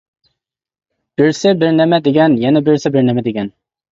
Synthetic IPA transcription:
b̥ɪɾsɪbɪɾnɛmɛd̪eɡʲɛnjɛnɛbɪɾsɪbɪɾnɛmɛd̪eɡʲɛn

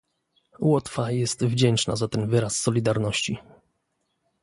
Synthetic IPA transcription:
wɔt̪fajɛst̪vd͡ʑɛnt͡ʂna̰zat̪ɛnvɘɾasːɔlʲid̪aɾnɔɕt͡ɕi

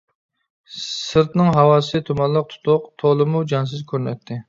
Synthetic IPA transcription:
sɨɾt̪nɨŋɦɑwɑːsɨt̪ʰumɑnlˠəq̚t̪ʰʊ̥t̪ʰʊqt̪ʰolˠɨmud͡ʒɑns̬ɨzkʲʰøɾnɛ̰t̪ʰːɪ

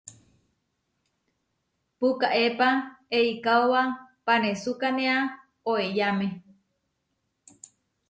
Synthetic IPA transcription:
pukaʔepaeikaowapanesukanea | oejame

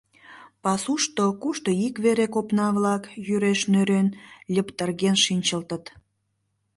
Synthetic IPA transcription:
pɑsuʃt̪okuʃt̪oikβeɾekopnɑβlɑkjyɾeʃnøɾenlʲəpt̪ərɣenʃinʲt͡ɕəlt̪ə̆t̪

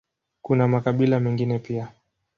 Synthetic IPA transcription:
kunamakaɓilamɛŋɡinɛpia

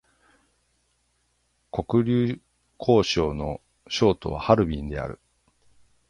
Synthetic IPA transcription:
ko̞kɯ̟ɾʲɨː | kʰo̞ːɕo̞ːno̞ | ɕo̞ːt̪o̞̰βa̰haɾɯ̟bʲĩnd̪e̞̰a̰ɾɯ̟̰

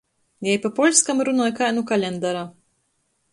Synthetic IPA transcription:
jɛjpapɔlʲskamɾunɔjkajnukalʲend̪aɾa

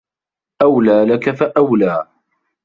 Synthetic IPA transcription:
ʔawlaːlakafaʔawlaː

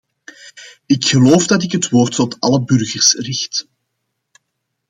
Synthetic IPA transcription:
ɪkxəloːfdɑtɪkɦətwoːrtːɔtɑləbʏrɣərsrɪxt

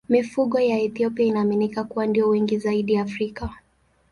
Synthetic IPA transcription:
mifuɠɔjaɛθiɔpiainaːminikakuwandiɔwɛŋɡizaiɗiafɾika

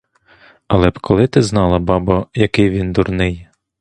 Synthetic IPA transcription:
ɐlˠɛpkʰɔlˠɪt̪ɪznɑlˠɐbɑbɐjɐkɪjʋʲind̪urnɪj

